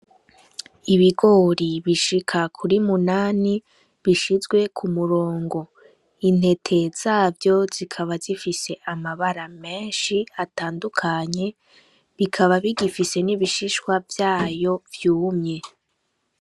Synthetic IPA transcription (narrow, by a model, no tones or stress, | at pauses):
iβiɡoɾiβiʃikʰakʰuɾimunaːni | βiʃizɡwe̞kʰumuɾoːŋɡo̞ | in̥e̞tʰe̞z̥aːvjo̞z̥ikʰaβazifise̞ʔamaβaɾame̞ːnʃiataːndukʰaɲe̞ | βikʰaβaβiɡifise̞niβiʃiʃwavjaːjo̞vjuːmɲe̞